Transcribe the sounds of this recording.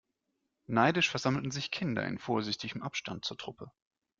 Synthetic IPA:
naɪdɪʃfɛɐz̥aml̩tn̩zɪçkʰɪndɐ̰ɪ̰nfoːɐzɪçtɪɡəmʔapʃtant̚t͡suːɐtʁ̥ʊpʰə

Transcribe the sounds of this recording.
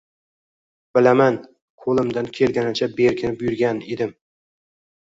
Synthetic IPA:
b̥ɪlaman | qʰolˠɪmd̪ankʲʰe̞lɡʲanat͡ʃʰabeɾkʲɪnɪbʊjʊɾɡʲaned̪ɪm

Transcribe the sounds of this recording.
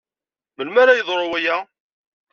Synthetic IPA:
məlmaɾajəðˤɾˤowæjæ

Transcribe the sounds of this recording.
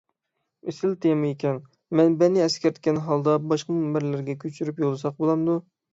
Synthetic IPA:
esɪlt̪ʰemɨekʲɛn | mɛnbɛnːɪɛskʲɛɾt̪ʰɪkʲɛnɦɑlˠd̪ɑbɑʃqɑmumːɪɾlæɾɡʲɛkʲʰøt͡ʃʰyɾypjolˠɨsɑq̚bolˠɑmd̪u

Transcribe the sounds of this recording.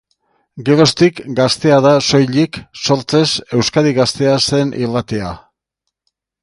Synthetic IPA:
ɡeɾo̞st̪ikɡast̪e̞aðaso̞jʎikso̞ɾt͡se̞se̞wskaðiɣast̪e̞ase̞nḭlat̪e̞a̰

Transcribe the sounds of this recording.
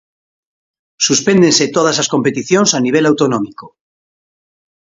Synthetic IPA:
suspend̪enset̪oð̞asasko̞mpet̪iθjõnsaniβ̞elawt̪onõmiko

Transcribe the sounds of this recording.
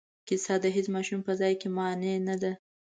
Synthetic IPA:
kɪsɑd̪əɦesmɑʃumpəzɑjkemɑnenad̪a

